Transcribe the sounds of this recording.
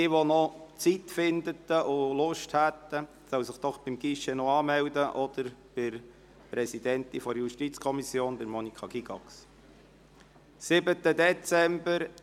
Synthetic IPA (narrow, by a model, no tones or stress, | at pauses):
ɪʋɔnɔt͡sit̪fɪnd̪ət̪əʔʊlʊʃthæt̪ːə | sœwsɪχd̪̥ɔχb̥ɪmɡ̥iʃɛnɔɑːmɛwd̪əʔɔd̪̥əɾb̥ɪɾ | pɾɛsid̪ɛnt̪ifɔɾjuʃtit͡skʰɔmisjoːndəɾmɔnikʰɑɡiɡɑks | sɪbət̪ːəd̪ɛt͡sɛmbəɾ